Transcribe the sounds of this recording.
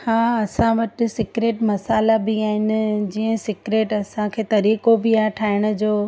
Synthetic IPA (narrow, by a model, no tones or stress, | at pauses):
hãːɐsãʋɐʈɪ̆sɪkɾeːʈmɐsaːlabɪaːɦɪnɪ̆d͡ʑiːə̃sɪkɾeːʈɐsãkʰeːt̪ɐɾiːkobɪaːʈʰaːɪɽ̃ʊ̆d͡ʑoː